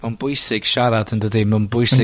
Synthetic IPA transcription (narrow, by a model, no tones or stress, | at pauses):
manbʊjsɪɡ̥ʃaɾadəndədimənbʊjsɪ